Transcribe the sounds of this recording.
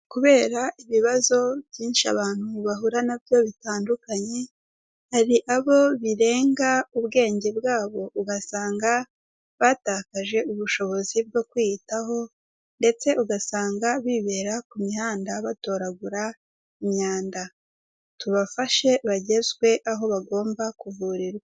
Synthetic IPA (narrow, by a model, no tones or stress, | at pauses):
kuβe̞ːɾaʔiβiβazo̞bɟiːnʃia̰βaːn̥huβaɦuɾanabjo̞βitaːndukaɲe̞ | haɾiʔaβo̞βiɾe̞ːŋɡauβɡe̞ːɲɟe̞bɡaːβo̞ʔuɡasaːŋɡa | βaːtaːkaʒe̞uβuʃo̞βo̞zib̚ɡo̞kwitaho̞ | nde̞t͡se̞ʔuɡasaːŋɡaβiβe̞ːɾakumihaːndaβato̞ːɾaɡuɾa | imɲaːnda | tuβafaʃe̞βaɟe̞zɡwe̞ʔaɦo̞βaɡo̞ːmbakuvuɾiɾwa